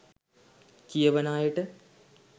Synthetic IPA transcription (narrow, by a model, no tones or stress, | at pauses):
kijɐʋɐnaːjiʈːɨ